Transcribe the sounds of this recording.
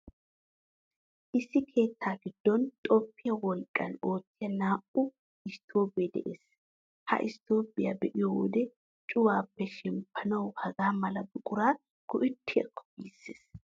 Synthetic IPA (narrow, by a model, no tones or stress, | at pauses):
ʔɪsːɪkʰe̞ːt̪ːaːɡɪd̪̥ːɔnt̪ʼɔpːɪjɐwɔlkʼːɐno̞ːt͡sːɪjɐnaːʔʊ | ɪst̪ʰoːpʼɪjɛd̪ɛ̰ʔeːs | hɐ̰ʔɪst̪o̞ːpʼɪjabɛʔɪjowɔ̰d̪ɛ | t͡ʃʼʊwaːpːɛʃɪmpʰːɐnɐwhɐɡaːmɐlɐd̪ʊkʼʊɾaː | kʊʔɪt̪ʰːɪjɐ̰kʰːɔ̥biːsːe̥̰ːs